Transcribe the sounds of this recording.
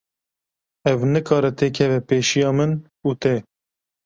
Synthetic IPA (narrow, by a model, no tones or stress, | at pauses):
ɛvnɨkʰɑːɾɛt̪eːkʰɛvɛpeːʃijɑːmɨn | uːt̪ɛ